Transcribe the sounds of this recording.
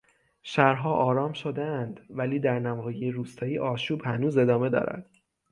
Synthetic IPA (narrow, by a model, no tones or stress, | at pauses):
ʃæɾɦɒːʔɒːɾɒːmʃod̪eænd̪væliːd̪æɾnæmɒːjejeɾuːst̪ʰɒːiːʔɒːʃuːbhænuːze̞d̪ɒːme̞d̪ɒ̰ːɾæ̰d̪̥